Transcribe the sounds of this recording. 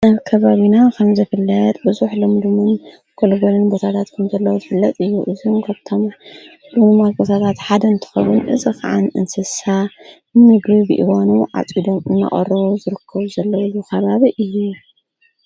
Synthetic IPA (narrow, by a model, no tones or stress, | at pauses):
naβkʰɐβaβinakʰɐmzɨfɨlːɐt̪ʼbɨzuħlɨmd̪umɨn | kʰolɡolɨnbot̪ʰat̪ʰat̪kʰɐmzɐlːɐwozɨfɨlːɐt̪ʼɨjːuʔɨzumkʰaβt̪ʰo̞m | lɨumaɡʼot̪ʰat̪ʰat̪ħad̪ɐɨnt̪ʰɨ̥xɐβɨnʔɨ̰zikʰa̰ʕanɨ̰nsɨsa | mɨɡɾibɨʔḭwonuʕa̰t͡sʼid̪o̞mɨnːa̰χʼɐ̰rɐβuzɨɾɨkʰːɐβuzɐlːɐwilukʰɐβaβiʔɨjːu